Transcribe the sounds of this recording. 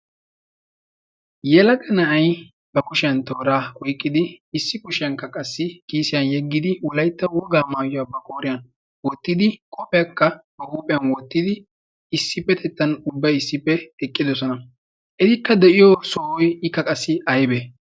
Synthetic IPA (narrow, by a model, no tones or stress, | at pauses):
jɛlɐɡɐnɐʔɐj | b̥ɐkʊʃɪjɐnt̪oːɾaːkɔjkʼːɪd̪ɪːsːɪkʊʃɪjɐnkːɐkʼɐsːɪkiːsɪjɐnjɛɡːɪd̪ɪwɔlɐjt̪ːɐwɔɡaːmaːjɔabɐkʼoːɾɪjɐn | wɔt̪ːɪd̪ɪkʼɔpʼɛjɐkːɐbɐkuːpʼɪjɐnwɔt̪ːɪd̪ɪ | ɪsːɪpːɛt̪ʰɛt̪ːɐnʊbːɐjɪsːɪpːɛɛkʼːɪd̪ɔsɔnɐ | ʔɛt̪ɪkːɐd̪ɛʔɪjɔsoːwɔjɪkːɐkʼɐsːɪɐjbɛ